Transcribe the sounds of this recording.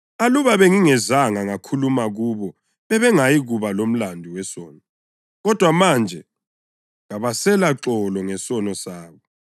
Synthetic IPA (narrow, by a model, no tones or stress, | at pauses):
aluβaβɛŋiŋɛzaŋaŋakʰulumaɣuːβɔ | βɛβɛŋajiɣuβalom̩landʱiwɛsɔːnɔ | ɣɔd̥ʱwamand͡ʒʱɛ | ŋaβasɛlaǁɔlɔŋɛsɔnɔsaːβɔ